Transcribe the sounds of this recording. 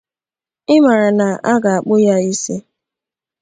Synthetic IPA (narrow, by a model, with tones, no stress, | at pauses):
ɪ˦ma˨ɾa˨na˨ʔa˦ɡa˨a˨k͡pʊ˦ja˦i˦se˦